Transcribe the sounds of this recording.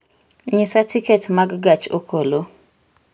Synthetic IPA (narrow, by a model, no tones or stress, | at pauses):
ɲɪsatʰiketmaɡɡat͡ʃokʰolo